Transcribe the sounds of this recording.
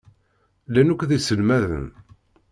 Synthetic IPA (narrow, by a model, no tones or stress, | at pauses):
lænukʷːðisəlmæðə̰n